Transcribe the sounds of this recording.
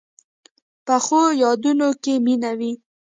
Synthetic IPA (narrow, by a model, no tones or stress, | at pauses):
pəxojɑd̪unokeminawi